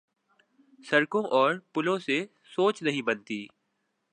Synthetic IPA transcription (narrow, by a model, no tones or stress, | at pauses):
səɾkõːʔɔːɾpʊlõːse | soːt͡ʃnɐɦĩbənt̪iː